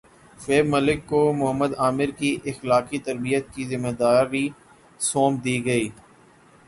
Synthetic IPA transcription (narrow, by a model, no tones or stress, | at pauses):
feːbməlɪkːomʊɦəmːəd̪aːmɪɾkiʔɪxlaːkit̪ɐɾbijət̪̚kizɪmeːd̪aːɾi | soːmd̪iːɡɐiː